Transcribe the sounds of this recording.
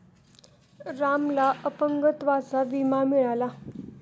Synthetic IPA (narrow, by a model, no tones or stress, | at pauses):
ɾamlaʔəpəŋɡət̪ʋat͡saʋimamiɭala